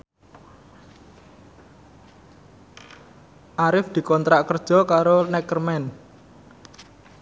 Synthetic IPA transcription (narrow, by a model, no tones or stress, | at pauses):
ʔaɾɪfd̪̥i̤kɔnt̪ɾaʔkərd̥ʒ̥ɔ̤kaɾonɛkərmɛn